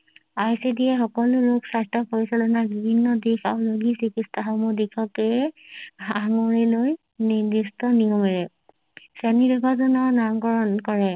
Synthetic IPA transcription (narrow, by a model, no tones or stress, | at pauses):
ajsidiɛxɔkɔlʊloksajstɔpʰɔɹisɔlɔnabibʱinːɔdixaʊloɡisikistaɦɔmɔdikʰɔkɛ | aŋɔɹiloj | nidistɔniɔmɛɹɛ | sɛnidɛbazɔnɔnamɡɔɹɔnkɔɹɛ